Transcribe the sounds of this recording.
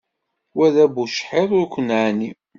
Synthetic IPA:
wæðæbuʃħeðˤʊɾkʷənʕani

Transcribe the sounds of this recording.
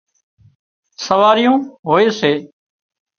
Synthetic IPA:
səʋaːɾɪjũːɦoːeːseː

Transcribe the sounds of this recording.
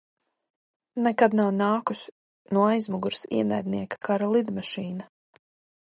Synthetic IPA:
nɛkad̪nawnaːkus | nuɔajzmuɡuɾsḭɛnæjd̪niɛkḁkaɾalˠid̪maʃiːna

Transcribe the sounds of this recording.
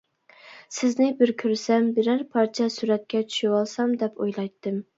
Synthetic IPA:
sɪznɪbɪɾkʲʰøɾsɛmbɪɾæɾpʰɑɾt͡ʃʰɛsyɾɛt̪̚kʲɛt͡ʃʰy̥ʃɪwɑlˠsɑmd̪ɛpojlˠɑjt̪ʰːɨm

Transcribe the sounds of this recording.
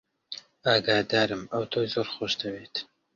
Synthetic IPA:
aːɡaːd̪aːɾɨmɐwt̪ʰoːjzoːɾχoʃd̪ɐweːt̪ʰ

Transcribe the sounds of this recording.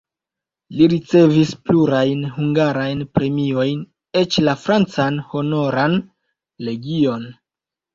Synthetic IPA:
liɾit͡se̞vispluɾajnhuŋɡaɾajnpɾe̞mio̞jn | e̞t͡ʃlafɾant͡sanho̞no̞ɾan | le̞ɡio̞n

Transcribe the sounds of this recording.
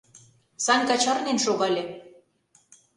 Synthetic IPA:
sɑnʲkɑt͡ɕɑrnenʃoɣɑlʲe

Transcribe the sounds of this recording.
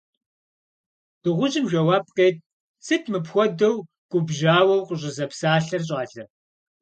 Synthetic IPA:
d̥ɨʁʷʊʑɪmʒʷɐwaːp̚qeːt̚ | sɨtʰmɨpxʷɔdɐw | ɡ̥ʷʊbʑaːwɐwqʷʊʑʼɪzɐpsaːɬɐrɕ̬ʼaːɬɐr

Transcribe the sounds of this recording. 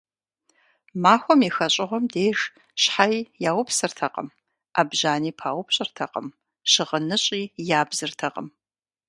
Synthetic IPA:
maːxʷɔmixɐɕʼɪʁʷɔmdeːʂ | ɕħajjaːwʊpsɨrtʰɐqʼə̰m | ʔa̰ːbʒaːniːpʰaːwʊpɕʼɨrtʰɐqə̰m | ɕɪʁənɨɕʼiːjaːbzɨrtʰɐqə̰m

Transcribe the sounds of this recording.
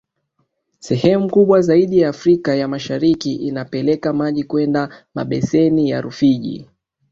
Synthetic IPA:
sɛhɛmukuɓwazaiɗijaːfɾikajamaʃaɾikiʔinapɛlɛkamaʄikwɛndama̰ɓɛsɛnijaɾufiʄḭ

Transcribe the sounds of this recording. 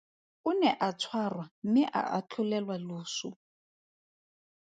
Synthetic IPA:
unɛʔat͡sʰwarwamɪʔa̰ʔat͡ɬʰulɛlwaloːsu

